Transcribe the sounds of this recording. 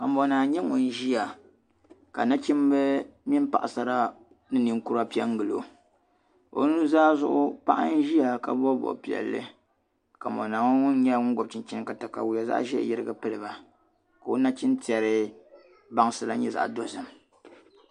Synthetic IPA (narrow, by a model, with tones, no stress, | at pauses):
ka˨mo˨naː˨ɲɛ˦ŋu˨n˦ʒi˦ja˨ | ka̰˨na˦t͡ʃi˦mbɨ˦mi˦m˦pa̰˨ʔa˨sa˨ɾa˦ | nɨ˦nɨ˨ŋku˦ɾa˦pi˦ɛ˦ŋ˦ɡɨ˨lo̰˨ | o̰˦nu˦zaː˦zʊ˦ʔʊ˦pa˦ʔa̰˦n˦ʒi˦ja˨ka˨bo˦bɔ̰˨ʔpi˨ɛ̰˨lːɨ̰˦ | ka˨mo̰˨na˨ŋ˦ŋu˦n˦ɲɛ˦ŋʊ˦ɡʊ˨b̚t͡ʃi˨nt͡ʃi˦nɨ˦ka˨ta˨ka̰˨wu˨ja˨za̰˦ʔʒɛ̰˦˨jɪ˦ɾɨ˦ɡɨ˦pɨ˦lɨ˨ba˨ | ka˨o˦na˦t͡ʃi˦nti˨ɛ˨ɾɨ˦ | ba˦ŋ˦sɨ˦la˦ɲɛ˦˨za̰˨ʔdo˦zɨ˨m